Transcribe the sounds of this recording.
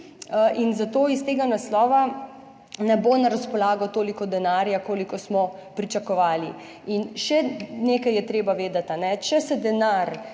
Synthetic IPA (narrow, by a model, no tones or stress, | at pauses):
ʔinzat̪oːist̪eːɡanaslɔːʋa | nɛbonaɾaspɔlaːɡɔt̪oːlikɔd̪ɛnaːɾjakoːlikɔsmɔpɾit͡ʃakɔʋaːli | inʃɛneːkajɛt̪ɾeːbaʋeːd̪at̪anɛt͡ʃɛsɛd̪ɛnaɾ